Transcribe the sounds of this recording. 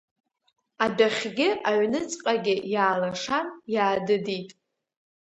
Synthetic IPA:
adaχʲɡʲɪʔaɥnɨt͡sʼqʼaɡʲɪjaːlaʂanjaːdɨditʼ

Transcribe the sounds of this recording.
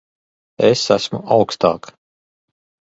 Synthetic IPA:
esæsmṵʔawkst̪a̰ːk

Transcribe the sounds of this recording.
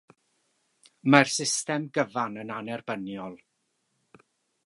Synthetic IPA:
marsɪstɛmɡəvanənanɛrbənjɔlˠ

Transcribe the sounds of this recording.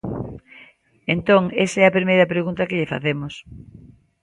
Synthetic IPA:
ent̪õŋesɐɛɐpɾimejɾɐpɾeɣunt̪ɐkɪʎɪfa̰θemʊs

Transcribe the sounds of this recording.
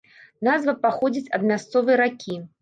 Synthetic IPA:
nazvɐpaxɔd͡zʲit͡sʲɐd̪mʲast̪sɔvɨjɐɾakʲʰi

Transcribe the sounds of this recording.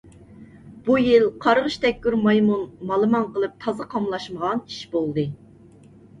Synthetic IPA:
b̥ujilˠqʰɑɾʁəʃt̪ʰɛk̚ʲkʲyɾmɑjmunmɑlˠɨmɑnqəlˠɨp̚t̪ʰɑzɨqʰɑmlˠɑʃməʁɑni̥ʃbolˠd̪ɨ

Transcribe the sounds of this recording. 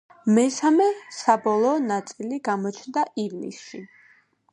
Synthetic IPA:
mɛsamɛsabɔlˠɔːnat̪sʼiliɡamɔt͡ʃʰnd̪aʔivnḭsʃi

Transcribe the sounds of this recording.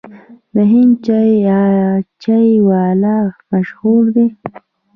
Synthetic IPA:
d̪əɦɪnt͡ʃajat͡ʃajwɑːlamaʃhuɾd̪e

